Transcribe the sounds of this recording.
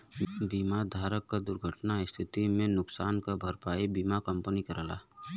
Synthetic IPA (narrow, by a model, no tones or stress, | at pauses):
biːmad̪ʱaːɾəkːad̪ʊɾɡʱəʈnaɪst̪ʰɪt̪imẽnʊksaːnkabʱəɾpaːebiːmakə̃mpənikəɾəla̰ː